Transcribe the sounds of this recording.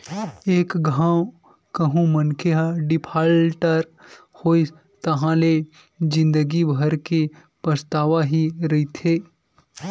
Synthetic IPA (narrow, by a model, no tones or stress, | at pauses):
eːkɡʱãːw | kəɦũmənkʰeɦaɖɪpʰaːlʈəɾ | hoːi | t̪ɐɦãle | d͡ʒɪ̃nd̪əɡibʱɐɾke | pəst̪aːʋaɦiɾɐit̪ʰeː